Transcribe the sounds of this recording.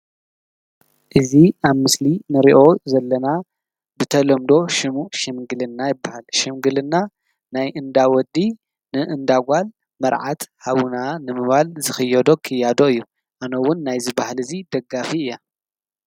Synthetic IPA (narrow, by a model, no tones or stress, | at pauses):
ʔɨziaβmɨslinɨɾiʔo̞zɐlːɐna | bɨt̪ʰɐlɐmd̪o̞ʃɨmuʃɨmɡɨlɨnːajɪbːahalʃɪmɡɨlɨnːa | najʔɨnd̪awɔd̪ːi | nɨʔɨnd̪aɡʷal | mɐɾʕat̪haβunanɨmɨβalzɨxɨjːɛd̪o̞kʰɨjːad̪o̞ɨjːu | ʔanɐwːʊnːajzɨbahalɨzid̪̥ɐɡafiɨjːa